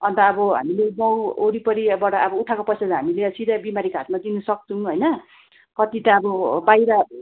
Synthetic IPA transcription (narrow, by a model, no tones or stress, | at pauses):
ʌnt̪ʌːbʌɦa̰mileɡʌwoɾipʌɾibaɽaːbʌuʈʰakopʌjsad͡zaɦamileʌsid̪abimaɾikat̪̚mad̪inusʌk̚t͡sʰũɦʌjnʌ | kʌt̪it̪ʌːbʌbajɾʌ